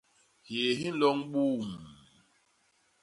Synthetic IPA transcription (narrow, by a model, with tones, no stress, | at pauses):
hje˨ɦi˦n̩˦lɔ˦ŋɓuː˦˨m˨